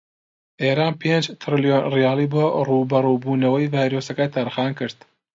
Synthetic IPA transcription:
ʔeːɾaːnpʰend͡ʒt̪ʰɾɨlijonrijɑːlˠiːbɐruːbɐɾuːbuːnɐwɐjvaːjɾoːsɐkɐt̪ʰaɾxɑːnkɨɾd̪

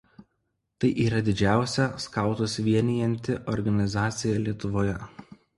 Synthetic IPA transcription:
t̪ɐɪʔiːɾɐd̪ʲɪd͡ʒʲæˑʊsʲɛskɐˑʊt̪osʋʲiɛnʲɪjɛnʲt̪ʲɪʔɔɾɡɐnʲɪzɑːt̪sʲɪjɛlʲiɛt̪ʊʋoːjɛ

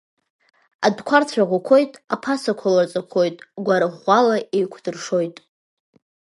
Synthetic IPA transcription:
adkʷʰart͡sʷʰaʁʷakʷʰo̞jtʼapʰasakʷʰalat͡sʼakʷʰo̞jtʼɡʷaɾaʁʷalaʔejkʷʰdɨrʂo̞jtʼ

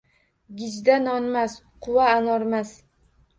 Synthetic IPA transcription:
ɡʲɪd͡ʒd̪anɒnmas | qʰʊwaːnɒɾmas

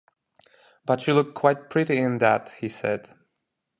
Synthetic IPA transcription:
b̥ʌt͡ʃɨlʊk̚kʰːw̥aɪt̚pʰɹ̥ɪɾiɪ̃nðæt̚hisɛ̰d̥

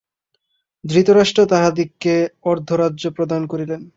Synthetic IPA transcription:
d̪ɾit̪oɾaʃʈɾot̪aɦad̪ikːeɔɾd̪ʱoɾadːʑopɾod̪ankoɾilen

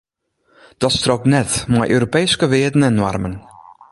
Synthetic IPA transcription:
d̥ɔtstroknɛtmajʔøːɾopeːskəʋɪədn̩ɛnːɔ̰rmən

